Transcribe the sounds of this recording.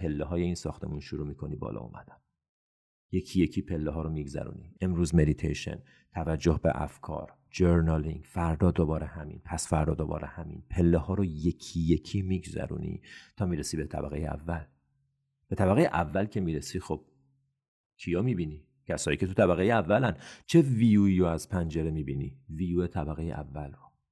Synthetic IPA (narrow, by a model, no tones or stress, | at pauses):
pʰelːeɦɒːje̞iːnsɒːxt̪ʰe̞̰munʃuɾuːmiːkʰonibɒ̰ːlɒ̰ṵmʔæ̰d̪̥æm | je̞kʰijecʰiːpʰe̞lːeɦɒːɾomiːɡzæ̰ɾṵːnḭʔe̞mɾuːzme̞d̪it̪ʰḛjʃḛn | t̪ʰævæd͡ʒːohbḛʔæ̰fkʰɒ̰ːɾ | d͡ʒeɾnɑliŋɡfæɾd̪ɒːd̪obɒːɾehæmḭnpʰæsfæɾd̪ɒːd̪obɒ̰ːɾʔehæmḭːnpʰe̞lːehɒːɾoje̞kʰije̞kʰiːmiːɡzæ̰ɾṵːnḭt̪ʰɒːmiːɾesiːbet̪ʰæ̰bæ̰ɣejeæ̰vːæl | b̥et̪ʰæbæɣejeʔævːælcʰe̞miːɾesixob̥̚ | kʰijɒːmiːbiːni | cʰæsɒːjiːcʰe̞t̪ʰut̪ʰæbæɣejeævːælænt͡ʃʰe̞viːjuiɾoæzpʰænd͡ʒe̞ɾemiːbiniviːjuːe̞t̪ʰæbæɣejḛʔævːælro